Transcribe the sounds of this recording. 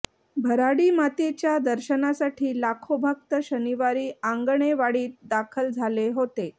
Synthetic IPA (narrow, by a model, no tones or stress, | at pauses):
bʱəɾaɽiːmat̪et͡ɕjad̪əɾɕənasaʈʰiːlakʰobʱək̚t̪əɕəniʋaɾiːãŋɡɳeʋaɽiːt̪̚d̪akʰəld͡zʱaleɦot̪e